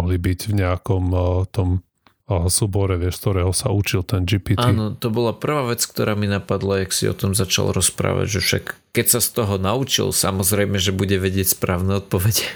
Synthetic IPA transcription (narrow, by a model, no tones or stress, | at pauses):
ɦlibiɟvɲɛakɔmt̪ɔm | suːbɔɾɛʋɪɛʃskt̪ɔɾɛːɦɔsaut͡ʃilˠt̪ɛnd͡ʒipitʔaːinɔt̪ɔbɔlapr̩ʋaːʋɛt͡skt̪ɔɾaːminapad̪lajaksḭɔ̰t̪ɔmzat͡ʃa̰lˠɾɔspɾa̰ːʋa̰ɟʒɛfʃa̰kːɛcsast̪ɔɦɔnaut͡ʃḭlsa̰mɔzɾɛjmɛʒɛbuɟɛʋɛɟɪɛcʲspɾaːʊnɛɔt̪̚pɔʋɛɟɛ